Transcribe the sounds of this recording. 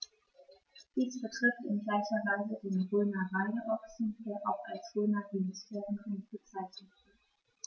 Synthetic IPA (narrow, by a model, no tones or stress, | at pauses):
d̥iːsb̥ətʁ̥ɪftɪnɡlaɪçɐvaɪzədɪnʁyːnɐʁaɪdəʔɔksn̩d̥eːɐʔaʊxalsʁ̥yːnɐdinɪstʰeːʁənʁɪnfət͡saɪtɪ